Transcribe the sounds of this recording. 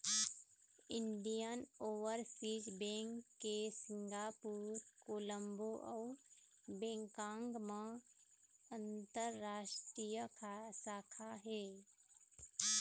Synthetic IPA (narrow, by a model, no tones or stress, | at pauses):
ɪɳɖijənoːʋəɾpʰid͡ʒbẽːŋkːesɪ̃ŋɡaːpuːɾkoːlə̃mboʔɔː | bẽːŋkãːŋɡmã | ə̃nt̪əɾːaːʃʈɾijəkʰasaːkʰaɦeː